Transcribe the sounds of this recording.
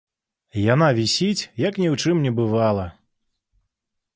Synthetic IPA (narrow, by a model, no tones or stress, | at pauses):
janavʲisʲit͡sʲjɐknʲɛwt͡ʂɨmnʲɛbɨvalˠɐ